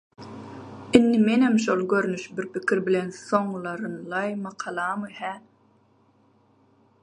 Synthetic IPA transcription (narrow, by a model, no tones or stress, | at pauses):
ɪnːimenhemʃolˠɡøɾnyʃbiɾpʰikʰʲiɾbilenso̞ŋlˠɑɾɯnlˠɑjmɑqʰɑlˠɑmɯhæ